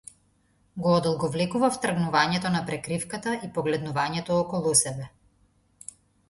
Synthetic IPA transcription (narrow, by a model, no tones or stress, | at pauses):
ɡɔːd̪ɔlˠɡɔvlɛkuvaft̪r̩ɡnuvaɲɛt̪ɔnapɾɛkɾifkat̪aʔipɔɡlɛd̪nuvaɲɛt̪ɔɔkɔlˠusɛbɛ